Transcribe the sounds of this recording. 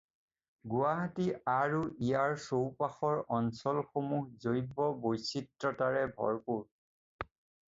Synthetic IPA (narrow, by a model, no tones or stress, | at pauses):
ɡuaɦatiaɹuijaɹsowpaxɔɹɔnsɔlxomuhzojbɔbojsitɹɔtaɹɛbʱɔ̰ɹpuɹ